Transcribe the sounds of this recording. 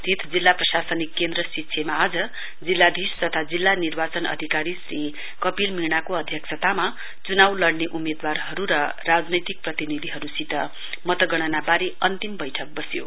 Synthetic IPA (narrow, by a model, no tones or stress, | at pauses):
t̪ʰit̪ʰd͡zilːaprʌsasʌnikːend̪ɾʌsitːsʰemaːd͡zʌ | d͡zilːad̪ʱist̪ʌt̪ʰad͡zilːanirbat͡sʌnʌ̰d̪ʱikaɾisri | kʌpilminakoʌd̪ʱjʌksʰʌt̪ama | t͡sunawlʌɽneʔumed̪warɦʌɾuɾʌ | rad͡znʌjt̪ik̚prʌt̪inid̪ʱiɦʌɾusit̪ʌ | mʌt̪ʌɡʌɽ̃ʌnabaɾeʌnt̪imbʌjʈʰʌk̚bʌsjo̰